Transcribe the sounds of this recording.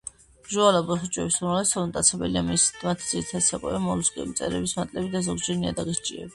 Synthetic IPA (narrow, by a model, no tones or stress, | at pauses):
ʒualabɔχut͡ʃʼwɛbisalɛsʰɔlnt̪ʼat̪sʰɛbɛ̰liamimat̪ʰid̪z̥iɾit̪ʰad̪sʰakʼwɛ̰vamɔluskʼɛ̰mt̪sʼɛ̰ɾɛbismat̪ʼlɛbid̪azɔɡd͡ʒɛɾniad̪aɡɛʃt͡ʃʼiɛ̰b